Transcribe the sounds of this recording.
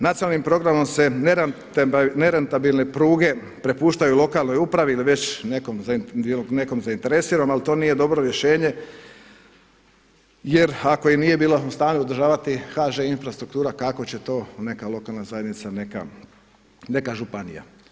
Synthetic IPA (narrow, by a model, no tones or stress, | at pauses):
nat̪ijonalnimpɾo̞ɡɾamo̞mse̞neɾ | neɾent̪abilˠne̞pɾuːɡe̞ | pɾe̞puːʃt̪ajuulˠo̞kaːlˠno̞jupɾaʋiiliʋet͡ɕnekomzneko̞mzaint̪e̞ɾe̞siːɾamalit̪o̞ːnije̞d̪o̞bɾo̞ɾje̞ʃe̞ːɲe̞ | je̞ɾako̞inije̞biːlaust̪aːɲuod̪ɾʒaːʋat̪ixaʒeinfɾast̪ɾukt̪uːɾakako̞t͡ɕe̞t̪o̞ːne̞kalo̞kaːlˠnazaje̞d̪nit̪saneka̰ | ne̞kaʒupanḭja̰